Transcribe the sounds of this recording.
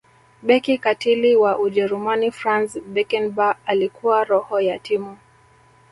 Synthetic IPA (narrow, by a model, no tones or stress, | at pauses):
ɓɛkikatiliwaʔuʄɛɾumanifɾansbɛkɛnbaalikuwaɾɔhɔjatimu